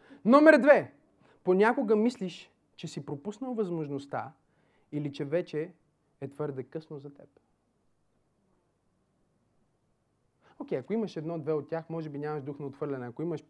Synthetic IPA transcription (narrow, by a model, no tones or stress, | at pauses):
nɔmɛɾd̪vɛ | ponʲakoɡəmisliʃ | t͡ʃɛsipɾopusnəlˠvɐzmoʒnost̪a̰ | ilit͡ʃɛvɛt͡ʃɛ | ɛt̪v̥ɤɾd̪ɛkɤsnozɐt̪ɛ̰p | okʲɛjɐkoiməʃɛd̪n̪ɔd̪vɛot̪̚ːʲjaxmɔʒɛbinʲamɐʒd̪uxnɐot̪fvɤɾlʲɛnɛɐkoiməʃ